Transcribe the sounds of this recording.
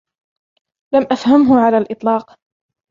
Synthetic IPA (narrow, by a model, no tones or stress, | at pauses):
lamʔafhamɦʊʕalaːlʔɨt̪ˤlɑːq